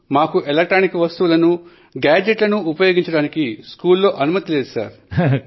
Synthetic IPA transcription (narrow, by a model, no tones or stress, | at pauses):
maːkuʔelek̚ʈɾaːnikʋɐst̪uːlɐnu | ɡaːd͡ʒeʈlɐnuːpɐjo̞ːɡiɲt͡ʃɐɽaːnikiskuːlːo̞ːʔɐnumɐt̪ileːd̪usa̰ːɾ